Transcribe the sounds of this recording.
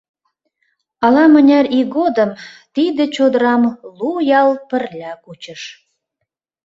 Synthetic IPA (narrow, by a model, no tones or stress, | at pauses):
ɑlɑmənʲɑriɡod̪əmt̪id̪ĕt͡ɕod̪əɾɑmlujɑlpə̆rlʲækut͡ɕəʃ